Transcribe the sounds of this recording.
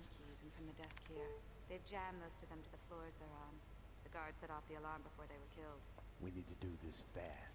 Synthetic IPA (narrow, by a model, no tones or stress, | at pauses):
kʰizɨ̃n̩fɹʌ̃mðɨdɛskhiɹ | ðeɪd͡ʒæ̃mðoʊstʰɨðɨ̃mtʰɨðɨflɔɹzðə˞ɑ̃n | ðɨɡɑɹdz̥sɛɾɔfðiəlɑɹmbɨfɔɹðeɪwə˞kʰɪlˠd̥ | wʔinid̚tʰɨdɨðɪsfæs